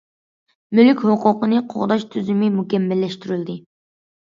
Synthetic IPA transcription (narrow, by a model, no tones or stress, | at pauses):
mylkʲhoqʊqənɨqʰo̰ʁd̪ɑʃt̪ʰyzymɪmukʲɛmːɛlːɛʃt̪yɾyld̪ɨ